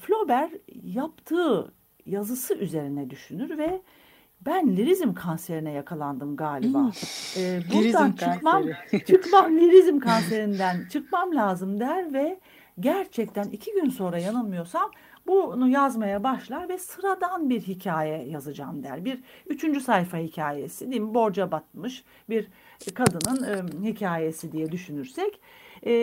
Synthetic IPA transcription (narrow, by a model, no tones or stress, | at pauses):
flʲo̞bæɾjapt̪ʰɯː | jazɯsɯʔyze̞ɾinɛd̪yʃynyɾvɛ | bænlʲiɾizmkʰanse̞ɾinɛjakʰalˠand̪ɯmɡaːlʲiba | bund̪ant͡ʃʰɯkmamt͡ʃʰɯkmamlʲiɾizmkʰanse̞ɾind̪ænt͡ʃʰɯkmamlʲaːzɯmd̪æɾvɛ | ɟæɾt͡ʃʰɛc̚t̪ʰænicʰiɟynso̞nɾajanɯnˠmɯjo̞sam | bunujazmajabaʃlˠaɾvɛsɯɾad̪anbiɾɦicʰaːjɛjazɯd͡ʒamd̪æ̰ɾbiɾyt͡ʃʰynd͡ʒysajfahicʰaːje̞sid̪imbo̞ɾd͡ʒabat̪̚mɯʃ | biɾ | kʰad̪ɯnɯnhicʰaːje̞sid̪ijɛd̪yʃynyɾsɛcː